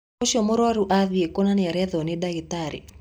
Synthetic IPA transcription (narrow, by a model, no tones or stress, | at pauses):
oʃɔmɔɾɔɾuʔaðiekonanɪaɾɛðɔnɪdaɡit̪aɾḭ